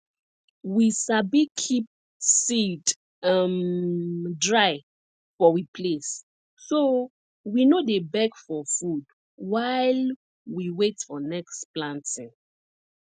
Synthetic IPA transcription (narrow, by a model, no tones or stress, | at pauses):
wisabikʰip̚ | sit | am | dɹaɪ | fɔwipʰlesː | o | winodebɛɡfɔfud | waɪl | wiwetfɔnɛksplãntĩŋ